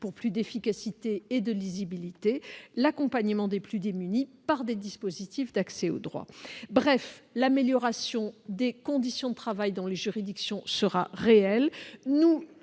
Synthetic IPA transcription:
puʁplyd̪efikasit̪eːd̪əlizibilit̪elakɔ̃paɲəmɑ̃d̪eplyd̪emynipaʁd̪ed̪ispozit̪ifd̪aksɛo̰d̪ʁwa̰bʁɛflameljɔʁasjɔ̃d̪ekɔ̃d̪isjɔ̃d̪ət̪χavajd̪ɔ̃leʒyʁid̪iksjɔ̃səʁaʁeɛlnu

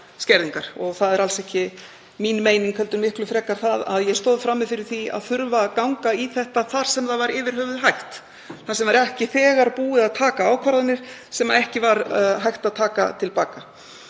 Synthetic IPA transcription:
scɛɾðiŋkaɾ̥ɔɣθaðɛɾalsɛhcɪ | minmeːjniŋkhœlt̪ʏɾmɪhklʏfɾɛːkaɾ̥θaða̰ðjɛɣst̪oːwðfɾamːɪðfɪɾɪɾ̥θia̰ðθʏɾvakawŋkaiθɛht̪aθaɾ̥sɛmθaðvaɾɪːvɪɾ̥hœːvʏðɦajxt̪ | θasɛmvaɾɛhcɪθɛːɣaɾpuːɪðaðt̪ʰaːkaaːwkʰvaɾðanɪɾ̥sɛmaðɛhcɪvaɾɦajht̪aðt̪ʰaːka̰t̪ʰɪlpaːka

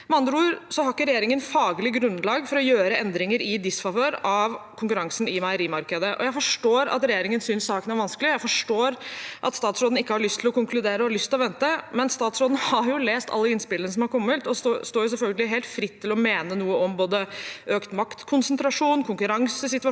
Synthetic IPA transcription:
mɛɑnd̪ɾuːɾsɔhɑɾkːəɾɛjeːɾɪŋənfɑːɡəlɪɡɾʉnːlɑːɡfɔɾɔjøːɾəʔɛnd̪ɾɪŋəɾɪd̪ɪsfɑʋøːɾɑʋkʰʊŋkʉɾɑŋsnɪmæɪɾiːmɑɾkəd̪əʔɔ̰jæɪfɔʂʈoːɾɑ̰t̪ɾɛjeːɾɪŋənsʏnsːɑːkənæɾʋɑnskəlɪjæɪfɔʂʈoːɾʔɑt̪st̪ɑːt̪sɾoːd̪n̩ɪkːəhɑɾɭʏst̪ʰɪlɔkʊŋklʉd̪eːɾəɔhɑɾɭʏst̪ʰɪlɔʋɛnt̪əmɛnst̪ɑːt̪sɾoːd̪nhɑɾjʊleːst̪ɑ̰lːəɪnspɪlənəsɔmhɑɾkʰɔmːət̪ɔsost̪oːjʊs̬ɛlfœlɡəlɪɦeːlt̪fɾɪt̪ʰːɪlɔmeːnənuːəɔmboːd̪əøːkt̪mɑkt̪kʰʊnsənt̪ɾɑʂuːnkʰʊŋkʉɾɑŋsəsɪt̪ʋɑ

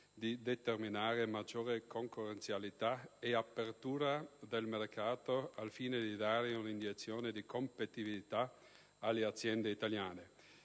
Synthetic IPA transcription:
d̪id̪et̪erminaːɾemad͡ʒoːɾekoŋkorent̪sjalit̪aeapːert̪uːɾad̪elmerkʰaːt̪oalfiːned̪id̪aːɾeunind̪iet̪sːjoːned̪ikompet̪ibilit̪a | alːeat̪sjɛnd̪eit̪aljaːne

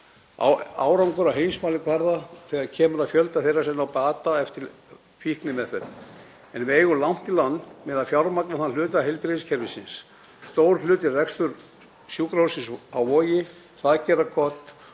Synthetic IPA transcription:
a̰waːwɾawŋkʏɾawɦejnsmaːlɪkʰvaɾðaθɛːɣaðcʰɛːmʏɾaðfjœlt̪aθejrːasɛmnawpaːt̪aɛft̪ɪɾ | fihknɪmɛðθɛɾ | ɛnvɪeːjɣʏlam̥t̪ɪlanmɛðaðfjawɾmaknaθanlʏːt̪aɦejlpɾɪɪscʰɛɾvɪsɪns | st̪owɾ̥lʏːt̪ɪrrɛkst̪ʏɾ | sjuːkɾawsɪnsawvɔːjɪ | θaðcɛːrakʰɔt̪

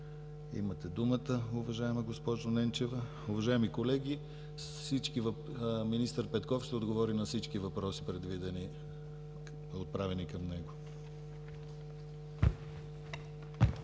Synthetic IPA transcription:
ḭmɐt̪ɛd̪umət̪əʊvɐʒaɛmɐɡospɔʒonɛnt͡ʃɛvə | ʊvɐʒaɛmikolɛɡʲi | sit͡ʃkivɐ | minist̪əɾpɛt̪kɔfʃt̪ɛod̪ɡovɔɾinɐsit͡ʃkivɐpɾɔsi̥pɾɛd̪vid̪ɛni | ot̪̚pɾavɛnikɐmnɛɡo

